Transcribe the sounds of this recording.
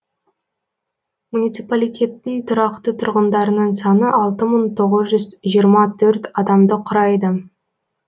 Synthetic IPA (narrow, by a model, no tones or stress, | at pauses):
munit̪sipalˠijt̪ʲe̞t̪ːɪŋt̪ʰʊɾɑqt̪ət̪ʰʊɾʁənd̪ɑɾənəɴsɑnəʔɑlˠt̪əməɴt̪ʰo̞ʁəzʒʏzʒijəɾmɑt̪ʰɵɾt̪ɑd̪ɑmd̪əqʰʊɾɑjd̪ə